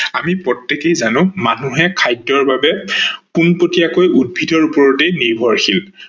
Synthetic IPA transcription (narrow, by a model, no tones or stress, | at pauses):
amipɹɔtːekejzanʊ̃manuɦɛkʰajdɔɹbabɛkunpotiakojud̚bʱidʱɔɹupɔɹɔtejniɹbʱɔɹxil